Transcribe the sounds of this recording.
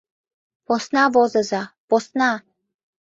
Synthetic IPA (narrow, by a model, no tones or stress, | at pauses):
posnɑvozəzɑposnɑ